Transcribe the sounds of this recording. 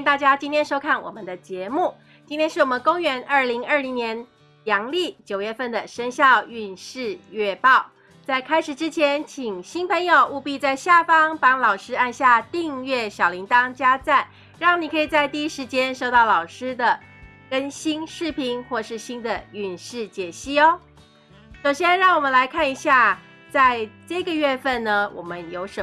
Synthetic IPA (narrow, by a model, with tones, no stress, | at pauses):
nt̪a˥˩t͡ɕja˥t͡ɕi˥nt̪ʰjɛ˥nʂo˥ʊkʰa˥˩nwɔ̰˨˩mə˦nd̪ə˦t͡ɕjɛ˧˦mu˥˩ | t͡ɕi˥nt̪ʰjɛ˥nʂɻ̩˥˩wɔ˨˩mə˧˦nko˥ŋɥɛ˧˥nʔə˞˥˩li˧˥ŋə˞˥˩li˧˥ŋnjɛ˧˥n | jɑ˧˥ŋli˥˩t͡ɕjo˨˩ʊɥɛ˥˧fə˥˩nd̪ə˩ʂə˥nɕjɑ˥˧ʊy˥˧nʂɻ̩˥˧ɥɛ˥˧pɑ˥˩ʊ | t͡sa˥˩ɪkʰa˥ɪʂɻ̩˨˩ʈ͡ʂɻ̩˥t͡ɕʰjɛ˧˦nt͡ɕʰi˨˩ŋɕi˥npʰə˧˥ŋjo˨ʊʔu˥˧pi˥˧t͡sa˥˧ɪɕja˥˩fɑ˥ŋpɑ˥ŋlɑ˨˩ʊʂɻ̩˥a˥˧nɕja˥˧t̪i˥˧ŋɥɛ˥˩ɕjɑ˨˩ʊli˧˥ŋt̪ɑ˥ŋt͡ɕja˥t͡sa˥˩n | ɻɑ˥˩ŋni˨˩kʰɤ˧˥i˨˩t͡sa˥˧ɪt̪i˥˧i˥ʂɻ̩˧˥t͡ɕjɛ˥nʂo˥˧t̪ɑ˥˩ʊlɑ˨˩ʊʂɻ̩˥d̪ə˨ | kə˥nɕi˥nʂɻ̩˥˩pʰi˧˥ŋxwɔ˥˧˩ʂɻ̩˥˩ɕi˥nd̪ə˨y˥˨˩nʂɻ̩˥˩t͡ɕjɛ˨˩ɕi˥ɔ˧˦ | ʂo˨˩ʊɕjɛ˥nɻɑ˥˩ŋwɔ˨˩mə˦nla˧˥ɪkʰa˥˩ni˧˥ɕja˥˧ | t͡sa˥˧ɪʈ͡ʂə˥˩ɡə˩ɥɛ˥˧fə˥˩nnə˩wʔɔ̰˨˩mə˦njo˧˥ʊʂə˧˦